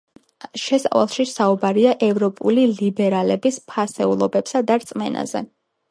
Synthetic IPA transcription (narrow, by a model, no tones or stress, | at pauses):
ʃɛsʼava̰lˠʃisaubaɾiaʔɛvɾɔpʼulilibɛɾalɛbispʰasɛulˠɔbɛpsad̪aɾt̪sʼmɛna̰zɛ̰